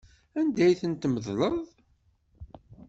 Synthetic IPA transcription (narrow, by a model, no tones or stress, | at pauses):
ænd̪æjθənt̪məðləðˤ